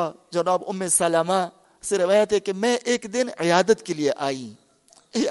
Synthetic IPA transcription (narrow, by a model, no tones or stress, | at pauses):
d͡ʒɐnaːbʊmːesɐlaːma | seɾɪʋaːjət̪ɦɛkemɛ̃ʔeːkd̪ɪnɪjaːd̪ət̪kelieʔaːĩː